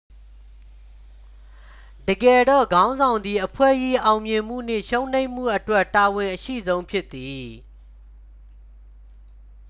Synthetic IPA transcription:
dəɡɛ˨dɔ̰˦˨ɡã˦ʊ̃nzã˨ʊ̃nd̪i˨ʔəpʰwɛ̰˦˨ji˦ʔã˨ʊ̃mjɪ̃˨m̥ṵ˦˨n̥ɪ̰̃˦˨ʃõ˦ʊ̃n̥ẽ˦ɪ̃m̥ṵ˦˨ʔətwɛ˦tːa˨wɪ̃˨ʔəʃḭ˦˨zõ˦ʊ̃mpʰjɪ˦t̪ːi˨

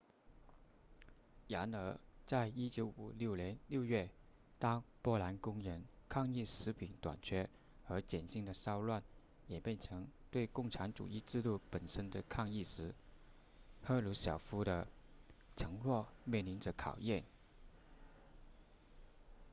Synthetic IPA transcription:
ja˧˥nə˧˥t͡sa˥˧ɪi˥t͡ɕjo˧˥ʊu˨˩ljo˥˩ʊljɛ˧˥nljo˥˧ʊɥɛ˥˩ | t̪ɑ˥ŋpwɔ˥la˧˥nkʊ˥ŋɻə˧˥nkʰɑ˥˧ŋi˥˩ʂɻ̩˧˥pʰi˨˩ŋt̪wa̰˨˩nt͡ɕʰɥɛ˥ | xɤ˧˥t͡ɕjɛ˨˩nɕi˥˩ŋd̪ə˩sɑ˥ʊlwa˥˩n | jɛ˨˩pjɛ˥˩nʈ͡ʂʰɤ˧˥ŋt̪we˥˧ɪkʊ˥˩ŋʈ͡ʂʰa˧˥nʈ͡ʂṵ˨˩i˥˧ʈ͡ʂɻ̩˥˧t̪u˥˩pə˨˩nʂə˥nd̪ə˨kʰɑ˥˧ŋi˥˩ʂɻ̩˧˥ | xɤ˥˧lu˧˥ɕjɑ˨˩ʊfu˥ɾə˧ | ʈ͡ʂʰɤ˧˥ŋlwɔ˥˩mjɛ˥˩nli˧˥nʈ͡ʂə˧kʰɑ˨˩ʊjɛ˥˩n

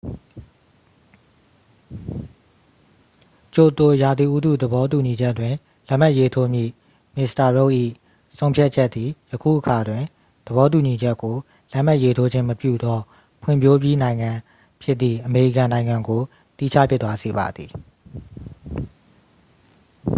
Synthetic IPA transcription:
t͡ɕo˨t̪o˨ja˨d̪i˨ʔu˦d̪ṵ˦˨d̪əbɔ˦t̬u˨ɲi˨d͡ʑɛ˦twɪ̃˨ | lɛ˦ʔm̥a˦ʔje˦tʰo˦mjḭ˦˨ | mɪ˨sta˨ɹo˦˨ʔḭ˦˨ | sʰõ˦ʊ̃mpʰja˦t̚t͡ɕʰɛ˦t̪ːi˨jəkʰṵ˦˨ʔəkʰa˨dwɪ̃˨ | d̪̥əβɔ˦t̬u˨ɲi˨d͡ʑɛ˦kːo˨ | lɛ˦ʔm̥a˦ʔje˦tʰo˦d͡ʑɪ̃˦məpjṵ˦˨d̪ɔ˦ | pʰwɪ̰̃˦˨mpʰjo˦bji˦nã˨ɪ̃ŋã˨ | pʰjɪ˦t̪̚t̪ːðḭ˦˨ʔəme˨ɹḭ˦˨kã˨nã˨ɪ̃ŋã˨ŋɡo˨ | t̪ḭ˦˨t͡ɕʰä̰˦˨pʰjɪ˦t̪ːwa˦ze˨ba̰˨d̪ði˨

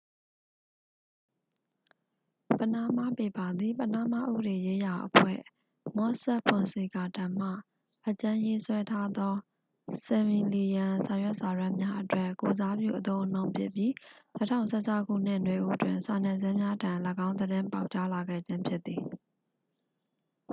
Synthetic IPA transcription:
pə˨na˦˨ma˦˨pe˨pa˨d̪ði˨pəna˦˨ma̰˦˨ʔṵ˦bə˨ɾe˨je˦ja˨ʔəpʰwɛ̰˦˨ | mɔ˦sɛ˦ʔpʰʊ̃˨nsi˨ɡa˨tã˨m̥ä̰˦˨ | ʔət͡ɕã˦je˦swɛ˦tʰa˦d̪ɔ˦ | sɛ˨mi˨li˨jã˨sa˨jwɛ˦ʔsa˨ɹã˦mja˦ʔətwɛ˦˨ko˨za˦bjṵ˦˨ʔət̪õ˦ʊ̃nõ˦ʊ̃mpʰjɪ˦pji˦nə˦tʰã˦ʊ̃nsʰɛ˦˨t͡ɕʰa˦ʊkṵ˦˨n̥ɪ̃˦˨nwe˨ʔṵ˦ʔətwɪ̃˨nsa˨nɛ˨zɛ˦mja˦tã˨lə˦ɡã˦ʊ̃nd̪əɾɪ̃˦mpa˦ʊʔt͡ɕa˦la˨ɡɛ̰˦˨d͡ʑɪ̃˦mpʰjɪ˦t̪θi˨

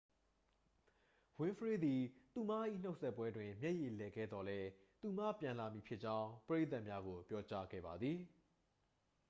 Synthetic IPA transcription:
wɪ̃˦fəɹe˦˨d̪i˨t̪u˨ma˦ʔḭ˦˨n̥o˦ʊʔsɛ˦˨pːwɛ˦dwɪ̃˨mjɛ˦ʔje˨lɛ˨ɡɛ̰˦˨d̪ɔ˨lɛ˦ | t̪u˨ma˦pjã˨la˨mji˨pʰjɪ˦ʔ̚t͡ɕã˦ʊ̃pəɹe˦t̪̬a˦ʔmja˦ɡo˨pjɔ˦t͡ɕa˦ɡɛ̰˦˨ba˨d̪ði˨

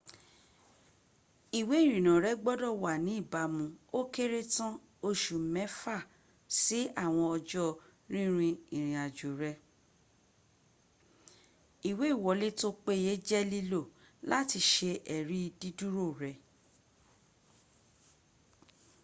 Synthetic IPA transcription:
i˨we˨˦˨ɾ̃ĩ˨nã˨ɾɛ˨˦ɡ͡bɔ˦dɔ˦˨wa˨nĩ˨˦i˦˨ba˨˦mũ˧o˦ke˦ɾe˦tã˦ | o˧ʃu˨mɛ̃˨˦fa˦˨ | si˨˦a˦˨w̃ɔ̃˧ɔ˧d͡ʒɔ˦ɾ̃ĩ˦ɾ̃ĩ˧ĩ˨ɾ̃ĩ˨a˨d͡ʒo˨ɾɛ˧ | i˨we˨˦˨wɔ˨˦le˦to˦k͡pe˦je˨˦d͡ʒɛ˦li˧lo˦˨ | la˦ti˧ʃe˧ʔɛ˨ɾi˦˧di˦du˦ɾo˦˨ɾɛ˨

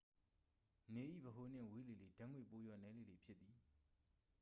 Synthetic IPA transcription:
ne˨ʔḭ˦˨bəɦo˨n̥ɪ̰̃˦˨we˦le˨le˨dã˦ŋwe˨po˦jwa̰˦˨nɛ˨˦le˨le˨pʰjɪ˦t̪t̪ːði˨

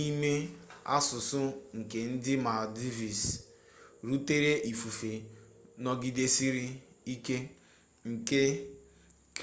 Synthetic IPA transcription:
i˦me˦a̰˦sʊ˨sʊ˦ŋ̩˨ke˨n̩˦dɪ˦ma˨di˦vi˨s | ɾu˦te˦ɾe˦ʔi˨fu˨fe˨nɔ˦ɡi˦de˦si˦ɾi˦i˦ke˦ | ŋ̩˨ke˦ | k

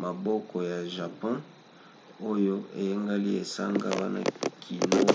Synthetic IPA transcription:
ma˨bɔ˦kʰɔ˨ja˨ʒa˨pɔ̃˦ | o˦jo˦ḛ˨je˦ŋɡa˦li˦e˨sa̰˦ŋɡa̰˦wa̰˦na̰˦kʰi˨lo˦

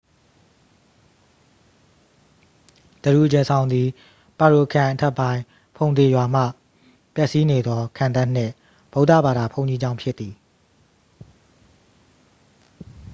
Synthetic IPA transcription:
d̪̥ə˨ɾu˨ʔəd͡ʑɛ˨sʰã˨ʊ̃nd̪ði˨ | pa˨ɹo˨kʰã˨ʔətʰɛ˦˨pːã˦ɪ̃ | pʰõ˨ʊ̃nt̪e˨jwa˨m̥ä̰˦˨ | pjɛ˦ʔsi˦ne˨d̪ðɔ˦kʰã˨nt̪ã˦˨n̥ɪ̰̃˦˨ | b̥o˦ʊta̰˦˨ba˨d̪a˨pʰõ˦˨ʊ̃ɲd͡ʑi˦d͡ʑã˦ʊ̃mpʰjɪ˦t̪ːi˨

